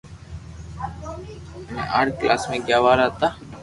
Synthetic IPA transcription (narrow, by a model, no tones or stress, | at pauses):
mɛ̰̃ːʔaːʈʰklʔaːsmẽːɡjaːʋaːɾaːt̪aː